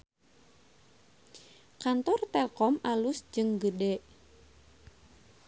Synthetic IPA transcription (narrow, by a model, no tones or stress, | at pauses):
kant̪ɔrt̪ɛkɔmʔalusd͡ʒɨŋɡədɛʔ